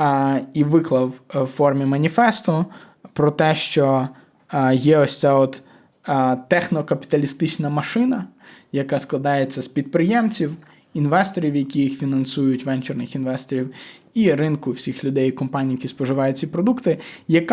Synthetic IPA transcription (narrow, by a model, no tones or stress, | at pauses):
iʋɪklˠɐwfɔrmʲimɐnʲifɛst̪ʊ | pɾɔt̪ɛʃt͡ʃɔ | jɛɔsʲt͡sʲaɔt̪ | t̪ːɛxnɔkɐpʲɪ̥t̪ɐlʲist̪ɪt͡ʃnɐmɐʃɪnɐjɐkasklˠɐd̪ɑjet͡sʲːɐspʲid̪̚pɾɪjɛmt͡sʲiw | inʋɛst̪ɔɾʲiwjɐkʲijixfʲinɐnsujʊtʲʋɛnt͡ʃɪrnɪxinʋɛst̪ɔɾʲiw | iɾɪnkʊwsʲixlʲʊd̪ɛjikɔmpanʲijɐkʲispɔʒɪʋɑjʊt̚ʲt͡sʲipɾɔd̪ukt̪ɪjɐk